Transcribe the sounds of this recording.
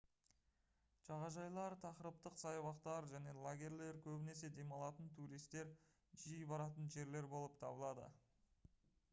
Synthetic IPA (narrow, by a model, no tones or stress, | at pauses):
ʒ̥ɑʁɑʒɑjlˠɑɾt̪ʰɑqəɾəp̚t̪əqsɑjɑwɑqt̪ɑɾʒæne̞lˠaɡʲe̞ɾle̞ɾkʲʰɵbɪne̞se̞d̪e̞mɑlˠɑt̪ənt̪ʰuɾijst̪e̞ɾ | ʒijbɑɾɑt̪ənʒe̞ɾle̞ɾbo̞lˠəp̚t̪ʰɑ̰bəlˠɑd̪ə̰